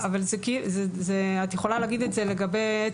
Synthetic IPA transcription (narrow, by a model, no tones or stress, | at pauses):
avalzekizezeat̪jeχo̞laleaɡid̪etze̞le̞ɡabeje